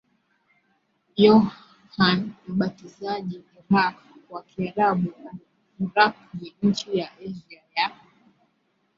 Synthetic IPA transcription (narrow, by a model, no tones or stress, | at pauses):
jɔ | hanm̩ɓatizaʄiɛɓak | wakiaɾaɓuna | ɾak̚niɲ̩t͡ʃijaʔɛʒiaja